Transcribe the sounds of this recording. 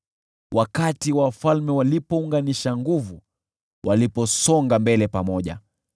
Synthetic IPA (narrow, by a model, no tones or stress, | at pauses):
wʔakatiwawafalmɛwalipɔuŋɡaniʃaŋɡuvu | wʔalipɔsɔŋɡambɛlɛpamɔʄa̰